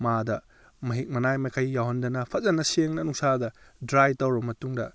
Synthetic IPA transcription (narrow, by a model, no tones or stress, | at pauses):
madɐ | mɐɦik̚mɐnajmɐkʰɐjːawɦɐndɐnɐpʰɐzɐnɐseŋnɐnuŋsadɐdɾajtɐwɾɐmɐtuŋdɐ